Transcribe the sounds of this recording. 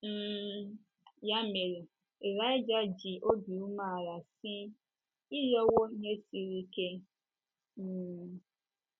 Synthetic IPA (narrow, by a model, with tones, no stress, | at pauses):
ja˦me˨ɾe˨ | e˨ɾa˦ɪ˦d͡ʒa˦d͡ʒi˨ʔo˦di˨u˦ma˦˨ɾa˨si˦ | i˦jɔ˦wo˦ɲe˦si˦ɾi˦ke˦˨